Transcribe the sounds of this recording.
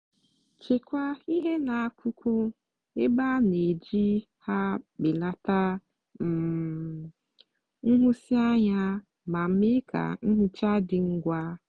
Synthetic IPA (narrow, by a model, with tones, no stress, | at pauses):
t͡ʃe˨kʷa˦i˦ɦe˦na˨a˦˨kʰʷʊ˦kʷʊ˦ | e˦ba˦ne˨d͡ʒi˦ | ha˦k͡pɪ˨la˦ta˦ | m̩˨ | ŋ̩˦ɦʊ˦si˦a˦ɲa˦ | ma˨m̩˦mɪ˦kʰa̰˨ŋ̩˦ɦʊ˦t͡ʃa˦dɪ˨ŋ̩˦ɡʷa˦